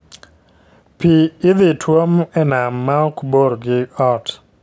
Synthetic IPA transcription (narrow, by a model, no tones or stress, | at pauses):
piːðɪtʰwomɛnamːaɔkboɾɡɪɔt